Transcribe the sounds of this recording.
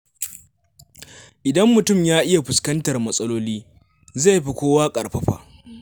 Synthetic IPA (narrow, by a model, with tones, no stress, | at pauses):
ʔɪ˨dɐ˦mːʊ˨tʊ˦˨mjaː˦ʔɪ˦ja˨ɸʊ˨skɐ˦ntɐ˨rmɐ˦sʼɐ˦loː˦liː˦ | za˦˨jɸi˦kʷoː˦waː˦kʼɐ˨rɸɐ˦ɸa̰ː˨ʔ